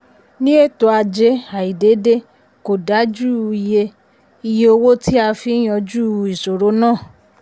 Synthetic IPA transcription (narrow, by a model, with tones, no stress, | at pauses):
nĩ˦e˦˨to˧a˧d͡ʒe˧˦a˨i˨de˨˦de˦ | ko˨da˨˦d͡ʒu˦˧i˧je˧ | i˧je˧o˧wo˦tʰi˦a˧fi˨˦j̃ɔ̃˧d͡ʒu˦˧i˨so˨ɾo˨˦nãː˦˨